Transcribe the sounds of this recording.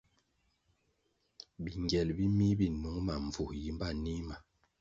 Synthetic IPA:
bi˨ŋɡjɛ˨lbi˦mi˦bi˦˨nu˨˦ŋma˨ɱ˨vu˨hji˦m˦ba˦˨ni˦ma˨

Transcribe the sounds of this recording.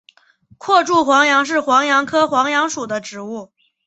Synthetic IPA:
kʰwɔ˥˧ʈ͡ʂu˥˩xwɑ˧˥ŋjɑ˧˥ŋʂ̬ɻ̩˥˩xwɑ˧˥ŋjɑ˧˥ŋkʰɤ˥xwɑ˧˥ŋjɑ˧˥ŋʂu˨˩d̪ə˦ʈ͡ʂɻ̩˧˥u˥˩

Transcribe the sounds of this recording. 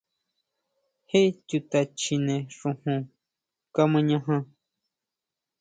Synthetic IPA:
he˦t͡ʃu˧t̪a˨t͡ʃʰi˧nẽ˨ʂũ˧hũ˧ | ka˦mɨ̃˧ɲã˧ɦã˧

